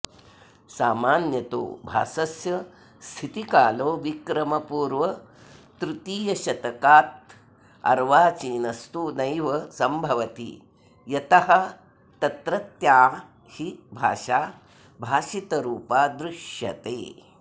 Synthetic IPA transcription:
saːmaːnjɐt̪o̰ːbʱa̰ːsɐsjɐ | st̪ʰit̪ikaːloːʋikɾɐmɐpuːɾʋɐ | t̪ɾut̪iːjɐʃɐt̪ɐkaːt̪ | ɐ̰ɾʋaːt͡ʃiːnɐst̪unɐjʋɐsɐmbʱɐʋɐt̪ḭ | jɐt̪ɐhɐ̆ | t̪ɐt̪ɾɐt̪jaː | hibʱa̰ːʃaː | bʱaːʃit̪ɐɾuːpaːd̪ɾuʃjɐ̰t̪ḛː

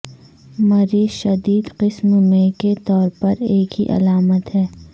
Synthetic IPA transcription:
mɐɾiːʃɐd̪iːd̪qɪsmmẽket̪ɔːɾpɐɾeːkɦiʔɐ̰laːmət̪ɦɛː

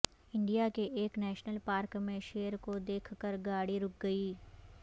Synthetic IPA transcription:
ɪ̃ɳɖijakeʔeːknɛːʃnəlpaːɾkmẽʃeːəɾkod̪eːkʰkəɾɡaːɽiɾʊk̚ɡɐiː

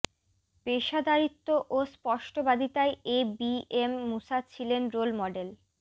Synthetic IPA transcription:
beʃad̪ʱaɾit̪ːoʔospɔʃʈobad̪ʱit̪aeebiemːusat͡ɕʰilenɾolmɔɖel

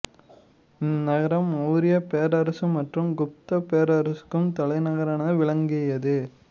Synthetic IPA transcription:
ɪnnɐɣɐɾɐmuːɾɪjɐpeːɾɐɾɐsɯmːɐʈrɯmɡʊp̚t̪ɐpeːɾɐɾɐsɯ̥kːɯmt̪ɐɭɐɪnɐɣɐɾɐnɐʋɪɭɐŋɡɪjɐðɯ

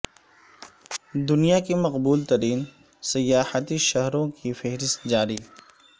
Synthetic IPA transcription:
d̪ʊnijakimɐqbuːlt̪ɐɾiːn | sɐjaːhət̪iʃɐɦɾõkʰifeɦɾɪst̪d͡ʒaːɾiː

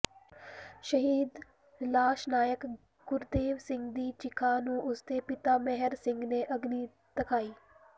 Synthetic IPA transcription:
ʃəɦiːd̪ | laːʃnaːjək | ɡ̥ʊɾd̪eːʋsɪ̃ŋɡd̪iːt͡ʃɪkʰaːnũːʔʊst̪eːpɪt̪aːmɛɦəɾsɪ̃ŋɡneːʔəɡniː | t̪əkʰaːiː

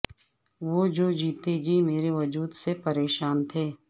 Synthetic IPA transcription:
ʋoːd͡ʒoːd͡ʒiːt̪ed͡ʒiːmeːɾeʋɐd͡ʒuːd̪sepɐɾeːʃaːnt̪ʰeː

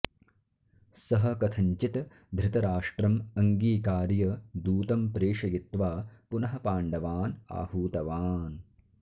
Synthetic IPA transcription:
sɐɦɐkɐt̪ʰɐɲt͡ʃit̪ | d̪ʱɾɪt̪ɐɾaːʂʈɾɐmɐŋɡiːkaːɾjɐd̪uːt̪ɐmpɾeːʂɐjit̪ʋaːpunɐɦɐpaːɳɖɐʋaːna̰ːhuːt̪ɐʋaːn

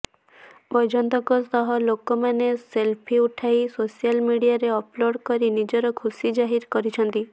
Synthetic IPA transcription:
bɔjd͡ʒɔnt̪ɔkɔst̪ɔɦɔlokɔmaneselpʰiuʈʰajsosijalmiɽijaɾeɔploɽkɔɾinid͡ʒɔɾɔkʰusid͡ʒaɦiɾkɔɾit͡ʃʰɔnt̪i

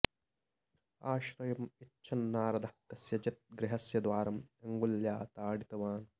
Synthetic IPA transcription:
aːʃɾɐjɐmitːʃʰɐnːaːɾɐd̪ʱɐt̪ɐsjɐd͡ʒɐt̪̚ɡɾɪɦɐsjɐd̪ʋaːɾɐmɐŋɡuljaːt̪aːɽit̪ɐʋaːn

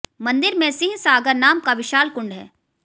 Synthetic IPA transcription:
mɐ̃nd̪ɪɾmẽsɪ̃ɦsaːɡəɾnaːmkaʋɪʃaːlkʊ̃ɳɖɦɛ̰ː

